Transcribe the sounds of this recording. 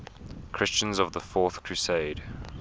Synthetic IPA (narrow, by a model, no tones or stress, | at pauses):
kʰɹ̥ɪst͡ʃə̃nzəvðəfɔˑθkʰɹ̥ʉseɪd̥